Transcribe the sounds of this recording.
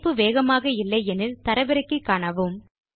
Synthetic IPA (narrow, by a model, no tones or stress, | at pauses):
pːɯʋeːɣɐmaːɣɐɪlːɐɪɛnɪlt̪ɐɾɐʋɐɾɐɪkːɯkːaːɳɐʋɯm